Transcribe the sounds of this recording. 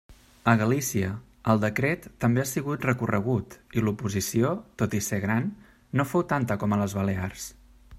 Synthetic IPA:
əɣəlisiə | əlˠd̪əkɾet̪ːəmbeasiɣut̪rəkurəɣ̞ut̪ilupuzisiot̪ot̪iseɣɾanː | ofowt̪ant̪əkɔmələzβəlears

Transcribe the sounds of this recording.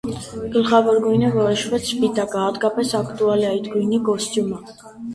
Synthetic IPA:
ɡ̥əlχavɔɾɡujnɛvɔɛʃvɛt̪spit̪ʼakʼaːd̪ɡapʼɛsakʰt̪ʼualiait̪ɡujnikʼɔst̪ʼuma

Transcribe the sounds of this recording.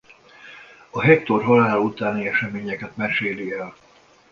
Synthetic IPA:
ɒɦɛk̚t̪orɦɒlaːlut̪aːniɛʃɛmeːɲɛkɛt̪mɛʃeːliɛl

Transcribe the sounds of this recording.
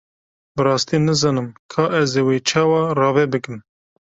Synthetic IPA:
bɨɾɑːst̪iːnɨzɑːnɨmkʰɑːʔɛzeweːt͡ʃʰɑːwɑrɑːvɛbɨkɨm

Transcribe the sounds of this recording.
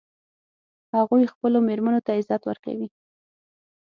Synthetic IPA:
haɣujxpəlomeɾmanot̪aɪzɑt̪wə̰ɾka̰wi

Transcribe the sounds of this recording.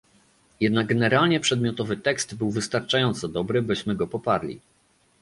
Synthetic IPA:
jɛd̪̚naɡ̚ɡɛnɛɾalɲɛpʂɛd̪mʲjɔt̪ɔvɘt̪ɛkst̪bɘwvɘst̪aɾt͡ʂajɔnt̪sɔd̪ɔbɾɘbɘɕmɘɡɔpɔpaɾlʲḭ

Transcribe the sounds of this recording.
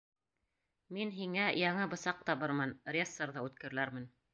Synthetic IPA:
minɦiŋæjɑɴɤbɤ̆sɑq̚t̪ɑβɤɾmɤnrʲesːoɾðɑʉt̪kɘ̆ɾɘ̆læɾmɘ̆n

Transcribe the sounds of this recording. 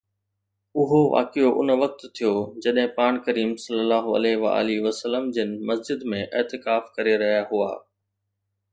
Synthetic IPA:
ʊɦoʋa̰ːkijoʔʊnʋɐk̚t̪t̪ʰijod͡ʑɐɗɦɪ̃paːɽ̃kɐɾiːmsɐlːəlaːɦoɐ̰leɦʋa̰a̰ːliʋəsəlːəmd͡ʑɪnɪ̆mɐsd͡ʑɪd̪mẽʔeːt̪ɪkaːfkɐɾeɾɐɦijaɦua̰ː

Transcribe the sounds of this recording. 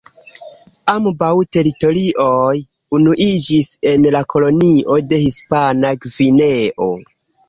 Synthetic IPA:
ambawte̞ɾito̞ɾiʔoj | unuʔid͡ʒise̞nlako̞lo̞niʔo̞de̞hispanaɡvine̞ʔo̞̰

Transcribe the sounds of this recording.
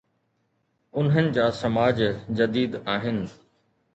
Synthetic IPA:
ʊnɦənɪ̆d͡ʑaːsɐmaːd͡ʑd͡ʑɐd̪iːd̪aːɦɪnɪ̆

